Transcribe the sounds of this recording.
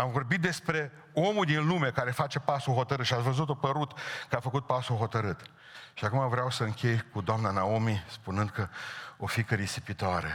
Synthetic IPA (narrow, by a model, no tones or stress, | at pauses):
amvo̞rbit̪̚d̪e̞spɾe̞ | o̞muld̪inlume̞kaɾe̞fat͡ʃe̞pasuɦo̞t̪əɾɨt̪ʃiat̪svəzut̪opəɾut̪kəafəkut̪̚pasuɦo̞t̪əɾɨt̪ | ʃiakumavɾeawsəɨŋkʲe̞jkud̪oamnanaomispunɨnd̪̚kəofikəɾisipit̪oaɾḛ